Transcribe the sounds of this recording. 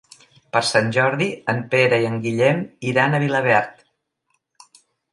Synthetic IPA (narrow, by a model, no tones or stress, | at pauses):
pəɾsanʲʒɔɾðiəmpeɾəiəŋɡiʎɛmiɾanəβiləβ̞ɛɾt̪